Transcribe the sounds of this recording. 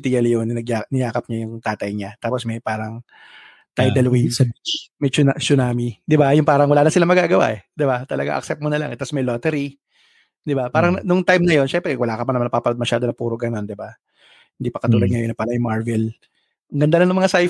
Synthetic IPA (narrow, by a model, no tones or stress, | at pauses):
t̪ijɐljonːɐnɐɡjanɐjaːkɐp̚ɲajʊŋt̪aːt̪ɐjɲat̪aːposmɐjpaːɾɐŋ | t̪ajd̪ɐlwisɐmɛjt͡ʃʊnat͡ʃʊnaːmid̪ɪbajʊŋpaːɾɐŋwɐlaːnɐsɪlamɐɡaːɡɐwa̰ʔɛd̪ɪbat̪ɐlɐɡa̰ŋʔɐ̰k̚sɛp̚t̪monɐla̰ŋʔɛt̪ːɐsmɐjloːt̪ɛɾi | d̪ɪbapaːɾɐŋnʊŋt̪ajmnɐjo̞nʃɛmpɾɛwɐlaːkɐpɐnɐmanɐpapɐlod̪mɐʃaːd̪oɐpuːɾoɡɐno̞nd̪ɪba | hɪnd̪ipɐkɐt̪uːlɐd̪̚ŋɐjonɐpalɐjʊŋmaɹvɛl | ŋɡɐnd̪alɐŋnʊmɐŋasaj